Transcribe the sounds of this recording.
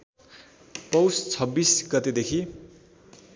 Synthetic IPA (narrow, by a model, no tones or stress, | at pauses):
pʌwst͡sʰʌbisɡʌt̪ed̪ekʰi